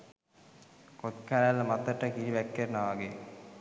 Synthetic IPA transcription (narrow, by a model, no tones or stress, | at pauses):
kot̪kʰaɾlːəmat̪əʈəkiɾiʋɛkːernːaʋaɡe